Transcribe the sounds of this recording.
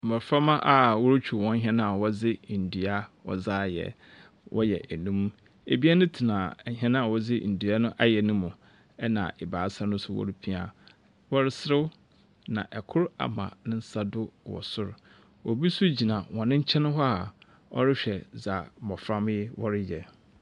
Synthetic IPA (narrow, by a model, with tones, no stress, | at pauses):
mɔ˨fɾã˦mã˦ʔa˨wɔ˦ɾt͡ɕʰᶣu˨wɔ̃˦n˦ɦɛ̃˦nã˦a˨wɔ˦zɪ˦n̩˨du˨a˦wɔ̰˨zaː˦˨jɛ̰˨ | wʔɔ̰˦jɛ̰˨ʔɛ˨nũ˦m˦ | ḛ˨bi˦a˦nʊ̃˦tʰi˨nã˨˦ɦɛ̃˦ñ˦a˨wɔ˦d͡zɪ˦˨n̩˨du˨a˦nʊ̃˦ʔa˦jɛ˨nʊ̃˦mʊ̃˨ | ɛ˦nã̰˨ʔɪ˨baː˨˦sa˦nʊ̃˦sʊ˦wɔ̰˦ɾɪ˦pʰi˦a̰˨ | wɔ˦ɾɪ˦sɾɪ˦w | nã̰˨ʔɛ˨kʰʊ˦ɾa̰˨mã̰˨nɪ̃˦n̩˦sa˦dʊ˦wɔ̰˨sʊ˦ɾ | wɔ˨bi˦sʊ˦d͡ʑi˨nã˨wɔ̃˨nɪ̃˦ɲ̩˦t͡ɕʰɛ̃˦nʊ̃˦ɦɔ˦a˨ | ɔ̰˦ɾɪ˦ɕᶣɛ˨za˨mɔ˨fɾã˦mɪ˦wɔ˦ɾɪ˦jɛ˨